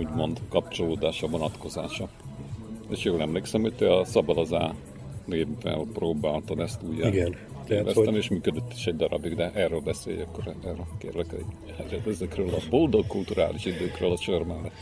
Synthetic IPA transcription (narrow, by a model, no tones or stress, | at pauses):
uːɟmo̞nd̪kɒp̚t͡ʃo̞loːd̪aːʃɒvo̞nɒt̪ko̞za̰ːʃɒ | ḛːʃjoːlɛmleːksɛmho̞c̚t̪eɒsɒbɒd̪ɒzaː | neːbːɛ̰lproːbaːlt̪ɒd̪ɛst̪uːjːɛɡɛn | eːlɛ̰st̪ɛmeːʃmyːkød̪øt̪ːi̥ʃɛɟ̚d̪ɒɾɒbiɡd̪ɛʔɛrøːlbɛsḛːjɒkːoɾɛrølkḛːrlɛkɛ̰ | ɛɛt̪ɛzɛkrøːlɒbold̪o̞kːult̪uɾa̰ːliʃid̪øːkrøːlɒt͡ʃørmɛrɛ